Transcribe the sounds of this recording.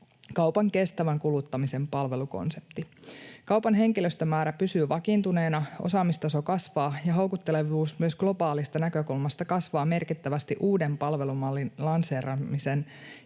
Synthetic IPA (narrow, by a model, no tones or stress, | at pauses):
kɑuwpɑŋke̞st̪æʋæŋkulut̪ːɑmise̞mpɑlʋe̞luko̞̰nse̞̥pt̪ikɑwpɑnɦe̞ŋkiløst̪ømæːɾæpysyːʋɑkint̪une̞ːnɑʔo̰sɑːmist̪ɑso̞kɑsʋɑːjɑɦowkut̪ːe̞le̞ʋuːsmyøsɡ̥lo̞bɑːlist̪ɑnækø̞kulmɑst̪ɑkɑsʋɑːme̞rkit̪ːæʋæst̪iʔuːde̞mpɑlʋe̞lumɑlːinlɑnseːrɑmisen